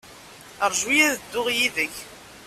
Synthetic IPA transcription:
əɾˤʒwijæðəd̪ːʊʁjiðəç

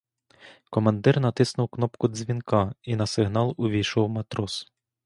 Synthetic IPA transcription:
kɔmɐnd̪ɪrnɐt̪ɪsnʊwknɔpkʊzʲʋʲinkɑinɐsɪɦnɑlˠʊʋʲijʃɔwmɐt̪ɾɔs

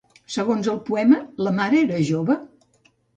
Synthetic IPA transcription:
səɣonzəlˠpuɛmələmaɾəeɾəʒoβə

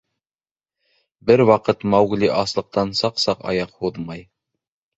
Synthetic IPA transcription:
bɘɾwɑqɤt̪mɑwɡliʔɑslˠɤ̆q̚t̪ɑnsɑqsɑqɑ̰jɑqhuðmɑj

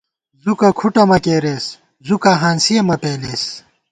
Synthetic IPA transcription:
zukɐkʰuʈɐmɐkeːɾeːs | zukaɦaːnsijɐmɐpeːleːs

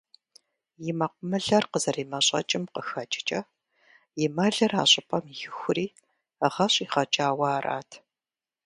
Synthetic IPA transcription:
jɪmɐqʷʊmɨɮɐrqəzɐriːmɐɕʼɐ̰t͡ʃʼɪmqəxɐt͡ʃʼɪ̥t͡ʃʼɐ | jɪmɐɮɐraːɕʼɪpʰʼɐmjɪxʷʊriː | ʁɐɕʼiːχɐt͡ʃʼaːwɑːrʔa̰ːtʰ

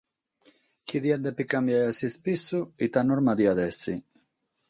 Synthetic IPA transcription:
kiðjand̪epikambjajasispisuit̪anoɾmad̪iaðɛsi

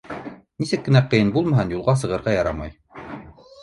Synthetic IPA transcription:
nisɘkːɘ̆næqɤ̆jɤnbulˠmɑɦɤnjulˠʁɑs̬ɤ̆ʁɤ̆ɾʁɑjɑɾɑmɑ̰j

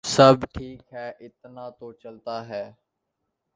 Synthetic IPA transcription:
səbʈʰiːkɦɛːʔɪt̪nãːt̪oːt͡ʃəlt̪aːɦɛː

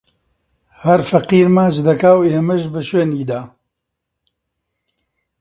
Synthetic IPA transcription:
hɐɾfɐqiːɾmaːt͡ʃd̪ɐkaːweːmɐʒbɐʃweːniːd̪aː

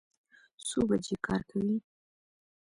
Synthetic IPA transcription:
sobad͡ʒekʰɑɾkʰawi

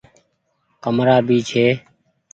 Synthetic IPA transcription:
kəmɾaːbʱiːt͡ʃʰeː

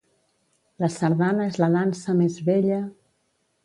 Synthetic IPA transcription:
ləsəɾðanəezləðansəmezβeʎə

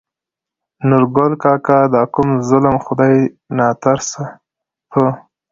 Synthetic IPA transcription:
nʊɾɡolkɑkad̪ɑkʊmzʊlmxʊd̪ɑj | nɑt̪aɾsa | pʰə

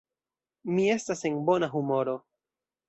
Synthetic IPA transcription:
mie̞stase̞nbo̞naɦumo̞ɾo̞

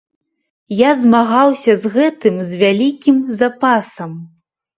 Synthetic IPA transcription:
jazmaɣawsʲɐzɣɛt̪ɨmzʲvʲalʲikʲimzapasɐm

